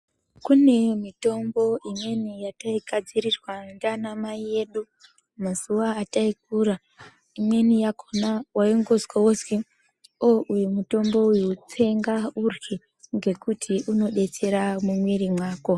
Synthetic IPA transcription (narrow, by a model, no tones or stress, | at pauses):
kune̞mito̞mbo̞ʔimwe̞nijataiɡʱad͡ziɾirwandanamaije̞ːɗu | maz̥uwaːtaik̚uːɾa | imwe̞nijakʰonawaiŋɡo̞zwaozwe | oʔujumuto̞mbo̞ujuut͡se̞ŋɡaurɡe | ŋɡe̞kutʰiʔuno̞ɗe̞t͡se̞ɾamumwiɾimwaːko̞